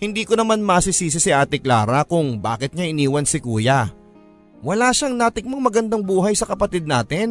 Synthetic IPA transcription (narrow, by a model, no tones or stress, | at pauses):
hɪnd̪iːkonɐmanmɐsisiːs̬ɪsɪʔaːt̪ɪkla̰ːɾɐkʊŋba̰ːkɪt̪̚ɲaʔɪniːwɐnsɪkuːjɐ | wɐlaːʃaŋnaːt̪ɪk̚mɐŋmɐɡɐnd̪aŋbuːɦɐjsɐkɐpɐt̪id̪̚naːt̪ɪn